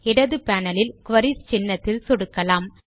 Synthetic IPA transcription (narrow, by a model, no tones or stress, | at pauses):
ɪɽɐðɯpaːnɐlɪlkʊʋɐɾiɾt͡ʃɪnːɐt̪ːɪlsɔɽɯkːɐlaːm